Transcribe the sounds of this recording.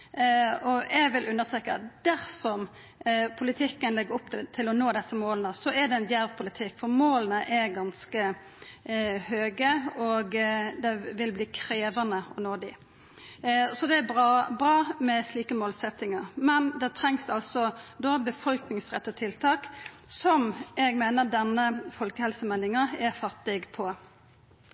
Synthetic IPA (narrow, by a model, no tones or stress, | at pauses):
ɔɛɡʋɪlʉnːəst̪ɾeːkɑt̪d̪̥æɾsɔm | pʰʊlɪt̪ʰɪkːənlɛɡːəɾɔpːt̪ʰɪlɔnoːd̪ɛsːəmoːlənəsɔɛɖ̪ɛnjæːʋpʰʊlɪt̪ʰɪkːfɔɾmoːlənəʔɛɾɡɑnskə | høːɡəɔɡd̪ɛʋɪlbliːkʰɾeːʋɑnəɔ̰noːd̪ɪ̰ | sɔd̪ɛæbɑbɾɑːmɛsliːkəmoːlsɛt̪ːɪŋɑʁmɛnd̪ɛt̪ʰɾɛŋsɑlsɔd̪ɔbəfɔlknɪŋsʁɛt̪ːət̪ʰɪlt̪ʰɑːk | sɔmɛɡmeːnəʁd̪ɛnːəfɔlkəhɛlsəmɛlːɪŋɑɛfɑt̪ːɪɡpʰɔ